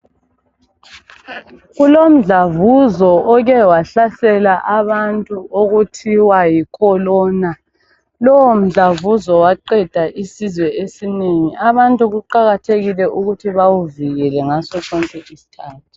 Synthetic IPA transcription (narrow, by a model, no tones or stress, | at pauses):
ɣulom̩ɮavuzɔʔɔɣɛwaɬasɛlaʔaβantʼuʔoɣutʰiwajikʰɔlɔːna | lɔwom̩ɮavuzɔwaǃɛd̥ʱaʔisizwɛesineŋiʔaβantʼuɣuǃaɣatʰeɣilɛʔuɣutʰiβawuviɣɛlɛŋasɔsɔŋkʼɛʔisi̥tʰaːtʰu̥